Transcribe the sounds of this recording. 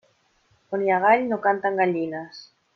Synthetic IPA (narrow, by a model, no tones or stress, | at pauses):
onjaɣaʎnokant̪aŋɡaʎinas